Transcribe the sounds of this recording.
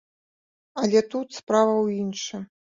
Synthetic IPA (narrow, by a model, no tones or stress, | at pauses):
ɐlʲɛt̪ut̪spɾavɐwinʂɨ